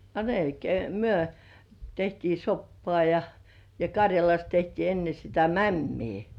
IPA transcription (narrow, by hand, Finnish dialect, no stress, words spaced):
ɑ melkei myø tehtiː sopːoɑˑ jɑ jɑ kɑrjɑlɑs tehtiː enːe sitæ mæmːiː